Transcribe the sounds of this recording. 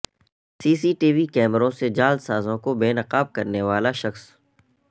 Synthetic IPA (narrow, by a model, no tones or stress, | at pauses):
siːsiːʈiːʋikɛːmɾõsed͡ʒaːld̪saːzõkobeːnɐqaːb̚kɐɾneʋaːlaʃɐxs